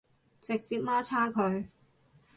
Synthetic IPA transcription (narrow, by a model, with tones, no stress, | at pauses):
t͡sɪ˨k̚t͡siː˧t̚maː˥t͡sʰaː˥kʰɵ˨˧ɥ